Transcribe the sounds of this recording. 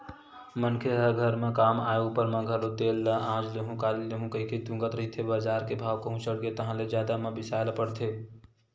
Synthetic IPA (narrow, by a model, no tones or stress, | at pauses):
mənkʰeɦəɡʱəɾmekamajoɡpəɾmeɡʱəɾod̪elːəãːd͡ʒleɦũkaleleɦũkəɦiket̪ũɡət̪ɾəɦit̪ʰebad͡ʒaɾkebʱawkəɦũsəɽɡet̪əɦãled͡ʒjad̪amebisalpəɽt̪ʰe